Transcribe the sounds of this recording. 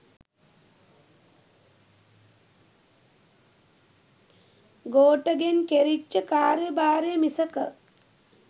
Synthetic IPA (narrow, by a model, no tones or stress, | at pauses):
ɡoːʈəɡenkeɾit͡ʃːəkaːɾjəbaːɾejəmisəkə